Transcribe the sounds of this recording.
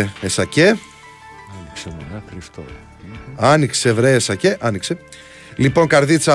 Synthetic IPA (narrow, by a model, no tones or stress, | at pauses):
esɐce | ɐniksenɐxɾift̪o̰ | ɐnikse̞vɾeesɐce̞ʔɐnikse | lipo̞ŋkɐɾðit͡sɐ